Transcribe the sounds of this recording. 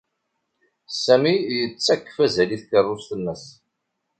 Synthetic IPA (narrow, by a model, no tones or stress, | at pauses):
sæmijət͡sːækːə̥fæzæliθkərˤːʊst̪ənːəs